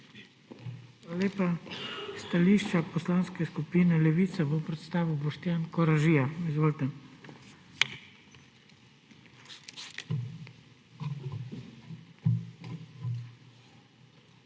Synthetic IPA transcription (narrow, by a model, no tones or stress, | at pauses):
xʋaːlaleːpast̪aliːʃt͡ʃapɔslaːnskɛskupiːnɛlɛʋiːt̪sabopɾɛt̪st̪aːʋiwbɔʃt̪jaːnkɔɾaʒijaizʋoːlt̪ɛ